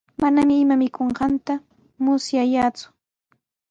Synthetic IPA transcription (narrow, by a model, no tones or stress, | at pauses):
manamɪːmamɪkoɴɢɑnt̪a | mʊsjajaːt͡sʊ̥